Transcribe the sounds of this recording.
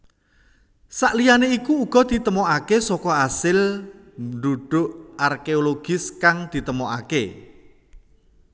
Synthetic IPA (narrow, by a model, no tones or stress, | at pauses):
saʔlijaneikuːɡ̥ɔ̤d̪̥it̪əmɔʔakesɔkɔasɪl | ɳɖ̪uɖ̪̥ʊʔarkeoloɡ̥ɪskaŋd̪̥i̤t̪əmoʔa̰ke